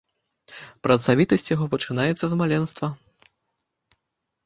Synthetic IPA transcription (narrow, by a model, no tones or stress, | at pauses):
pɾɐt̪savʲit̪ɐsʲt͡sʲjaɣɔpɐt͡ʂɨnajɛt̪sːɐzmalʲɛnst̪vɐ